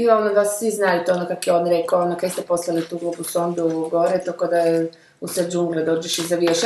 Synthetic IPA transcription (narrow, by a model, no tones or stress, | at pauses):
ionod̪assʋiznajut̪ɛonokakjeoːnɾekaonokest̪ɛposlˠalit̪uːɡlupusond̪uɡoɾɛt̪okod̪ajɛ | used͡ʒuŋɡled̪oːd͡ʒeʃizaʋjeʃ